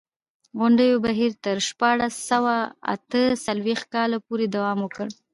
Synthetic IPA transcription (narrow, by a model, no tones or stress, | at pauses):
ɣʊɳɖəjobaɦiɾt̪əɾʃpɑɽasːawaa̰t̪əsalwext̪̚kɑlapoɾed̪awɑmwəkəɽ